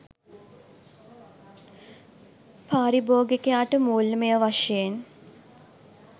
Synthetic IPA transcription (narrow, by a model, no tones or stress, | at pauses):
pʰaːɾiboːɡekejaːʈəmuːlmejəʋaʂjen